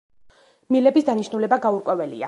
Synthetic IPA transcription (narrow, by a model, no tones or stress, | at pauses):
milɛbisd̪aniʃnulɛbaɡauɾkʼwɛvɛlḭa̰